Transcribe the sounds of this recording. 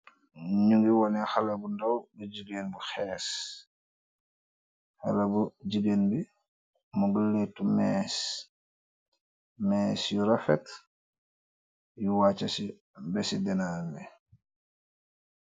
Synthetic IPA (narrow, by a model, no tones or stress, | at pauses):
ɲuŋɡiwɔnɛxɐlɐbundɔwɡuɟiɡenbuxɛːs | xalɐbuɟiɡeːnbi | muɡəlːetːumɛs | mɛːsjuɾafɛ̰k | juwaːt͡ʃɐsi | bɛsidɛnaːmbɛ